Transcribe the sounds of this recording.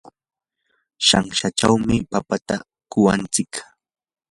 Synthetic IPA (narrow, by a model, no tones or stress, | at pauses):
ʃaŋʃat͡ʃawmɪpapat̪a | kʊwant͡sɪk